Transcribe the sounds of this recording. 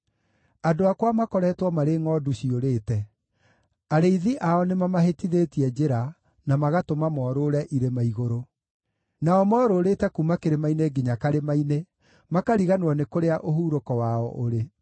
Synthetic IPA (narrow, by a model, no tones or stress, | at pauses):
adoakwamakɔɾɛtwɔmaɾeːŋɔduɕioɾeːtɛ | aɾeiðiʔaɔnemamaɦetiðetiɛd͡ʒeɾa | namaɣatomamɔːɾoɾɛʔiɾemaiɣoɾo | naɔmɔːɾoɾetɛkumakeɾemaineɡiɲakaɾemaine | makaɾiɣanwɔnekoɾeaʔoɦuːɾokɔwaɔʔoɾe